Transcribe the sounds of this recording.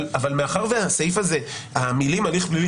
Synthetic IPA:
lavalmeaχaʁveasejfaze̞ | amilimaliχbli

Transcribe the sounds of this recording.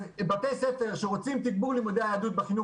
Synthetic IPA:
bateseteʁʃeʁot͡simt̪ik̚buʁlemod̪eaad̪ut̪̚beχinu

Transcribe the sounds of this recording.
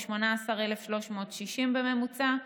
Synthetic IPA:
ʃmo̞naːsaʁelefʃlo̞ʃmo̞ːtʃiʃimbeme̞mut͡sa

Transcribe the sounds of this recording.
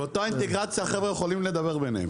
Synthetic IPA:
eot̪oaint̪eɡʁat͡sjaχevejeχolimled̪abeʁben̰ḛm

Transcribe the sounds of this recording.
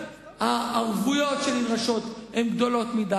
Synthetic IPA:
aaʁvujo̞tʃelinʁaʃo̞t̪emɡd̪o̞lo̞t̪mida

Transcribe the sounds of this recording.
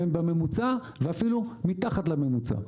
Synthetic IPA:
enbame̞mut͡sa | veafilumit̪aχat̪lame̞mut͡sa̰

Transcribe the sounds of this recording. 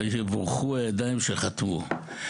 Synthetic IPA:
ʃevoʁχuajad̪ajimʃelχat̪mu

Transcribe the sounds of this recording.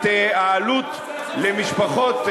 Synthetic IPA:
t̪eaalut̪ | lemiʃpaχo̞t̪

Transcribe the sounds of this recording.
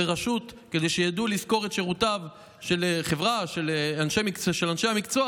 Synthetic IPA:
eʁaʃut | ke̞d̪e̞jʃejadulisko̞ʁetʃeʁutav | ʃe̞lχevʁaʃeleanʃemikt͡sʃelanʃeamikt͡so

